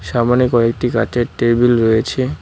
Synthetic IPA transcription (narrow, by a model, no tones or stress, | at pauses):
ʃamanikɔek̚ʈika̰t͡ɕeɾʈeɾbilɾɔjet͡ɕʰe